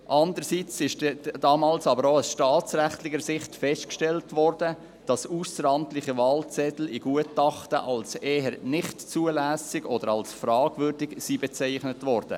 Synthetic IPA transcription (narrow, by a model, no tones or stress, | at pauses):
ʔɑndəɾsiːt͡sɪʃdd̥ɑːmɑːlsɑbəɾoasʃtɑːt͡sɾæχtlɪɡəɾsɪχtfɛʃtkʃtɛltʋɔɾd̥ə | d̥ɑsuːsəɾɑntlɪχəvɑːlt͡sɛtl̩iɡ̥uətɑχtə̰ʔɑlseːɦəɾnɪχtt͡suəlæːsɪɡɔd̥əɾɑlsfɾɑːɡ̥vʏrdɪɡsiːbɛt͡sæɪχnətʋɔɾd̥ə̰